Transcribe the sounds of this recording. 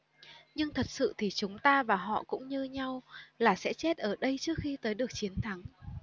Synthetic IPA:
ɲɨ˧ŋt̪ʰə˨˩t̚sɨ̰˧˨t̪ʰi˨˩t͡ɕʊ˨˦ŋ͡mt̪aː˧vaː˨˩ɦɔ̰˧˨kʊ̰˧˥ŋ͡mɲɨ˧ɲa˧wlaː˨˩sɛ̰˧˥t͡ɕe˦˥t̚ʔəː˧˩ɗə˧jt͡ɕɨ˦˥ək̚xi˧t̪əː˨˦jɗɨ˨˩ək̚t͡ɕi˨˦ənt̪ʰa˨˦ŋ

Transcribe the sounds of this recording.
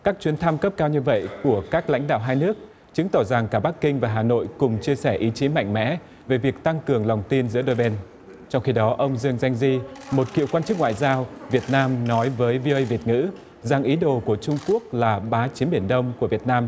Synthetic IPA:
kaː˦˥k̚t͡ɕwi˨˦ənt̪ʰa˧mkə˦˥p̚kaː˧wɲɨ˧və̰˧˨jku˧˩əkaː˦˥k̚la̰˧˥jŋ̟ɗa̰ː˧˨wɦaː˧jnɨ˦˥ək̚ | t͡ɕɨ˨˦ŋt̪ɔ˧˩za˨˩ŋkaː˧˩ɓa˦˥kːï˧ŋ̟vaː˨˩ɦaː˨˩no̰˧˨jkʊ˨˩ŋ͡mt͡ɕi˧əsɛ˧˩ʔi˨˦t͡ɕi˨˦ma̰˧˨jŋ̟mɛ̰˧˥ | ve˨˩vi˨˩ək̚t̪a˧ŋkɨ˨˩əŋla˨˩wŋ͡mt̪i˧nzɨ̰˧˥əɗo˧jɓɛ˧n | t͡ɕɔ˧wŋ͡mxi˧ɗɔ˨˦ʔə˧wŋ͡mzɨ˧əŋza˧jŋ̟zi˧mo˨˩t̚kḭ˧˨wkwaː˧nt͡ɕɨ˦˥k̚ŋwa̰ː˧˨jzaː˧wvi˨˩ət̚naː˧mnɔ˨˦jvəː˨˦jvi˧ʔə˧jvi˨˩ət̚ŋɨ̰˧˥ | za˨˩ŋʔi˨˦ɗo˨˩ku˧˩ət͡ɕʊ˧ŋ͡mku˦˥ək̚laː˨˩ɓaː˨˦t͡ɕi˨˦nɓi˧˩ənɗə˧wŋ͡mku˧˩əvi˨˩ət̚naː˧m

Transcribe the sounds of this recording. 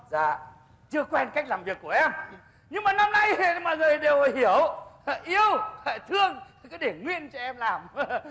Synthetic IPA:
zaː˨˩ | t͡ɕɨ˧əkwɛ˧nka˦˥k̚laː˨˩mvi˨˩əkːu˧˩əʔɛ˧m | ɲɨ˧ŋmaː˨˩na˧mna˧jma̰ː˨jzoː˨˩jɗe˨˩whi˧˩əwʔi˧əwfa˧˨˩jt̪ʰɨ˧əŋ˧˨ | kɔ˨˦ɗe˧˩ŋwḭ˧˨ənt͡ɕɔ˧ʔɛ˧mlaː˨˩m

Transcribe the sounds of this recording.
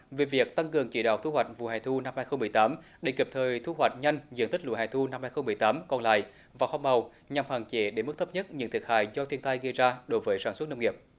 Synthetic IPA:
ve˨˩vi˨˩ək̚t̪a˧ŋkɨ˨˩əŋki˧˦ɗa̰ː˨w̚t̪ʰu˧hwa˨˩jk̟̚vṵ˧˨ha̰ː˨˩jt̪ʰu˧na˧mhaː˧jxə˧ŋ͡mmɨ˨˩əjt̪aː˨˦mɗe˧˩ki˨˩p̚t̪ʰəː˨˩jt̪ʰu˧hwa˨˩jk̟̚ɲa˧jŋ̟zɨ̰˧˥t̪i̟˦˥lṵ˧˥˩haː˧˨jt̪ʰu˧na˧mhaː˧jxə˧wŋ͡mmɨ˨˩əjt̪aː˨˦mkɔ˧nla̰ː˧˨j | vaː˨˩xɔ˧ŋ͡mə˨˩w | ɲa˨˩mhwaː˨˩ŋt͡ɕe˨˦ɗe˧˩mɨ˦˥t̪ʰp̚ɲə˦˥t̚ɲɨ̰˧˥ŋt̪ʰi˨˩ə˩ha̰ː˧˨jzɔ˧t̪ʰi˧ənt̪a˧jɣə˧jzaː˧ɗo˨˦jvəː˨˦jsaː˧˩nswə˦˥t̚nə˧wŋi˨˩əp̚

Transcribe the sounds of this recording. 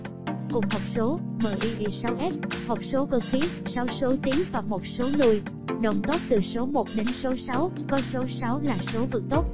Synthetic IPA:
kʊ˨˩ŋ͡mhɔ˨˩wk͡p̚so˨˦məː˧˩ʔi˧ʔi˧˩sa˨˦wʔɛ˦˥p̚hɔ˨˩wk͡p̚so˨˦ɣə˨˧˩xi˨˦sa˨˦wso˨˦t̪i˨˦əŋvaː˨˩mo˨˩t̚so˨˦lu˨˧˩əj | no̰˧˨˩wŋ͡mt̪o˦˥p̚t̪ɨ˨˩so˨˦mo˨˩t̚ɗe˨˦nso˨˦sa˨˦wkɔ˨˦so˨˦sa˨˦wlaː˨˩so˨˦vɨ̰˨˩ək̚t̪o˦˥t̚

